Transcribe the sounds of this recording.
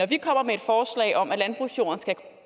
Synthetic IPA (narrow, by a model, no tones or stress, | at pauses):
ɒʋikʰɒ̽m̰ɐmee̝d̥fɒːslɛ̰ɪʔɒ̽mʔælænb̥ʁṵsjo̝̰ːn̩sɡ̥ækʰ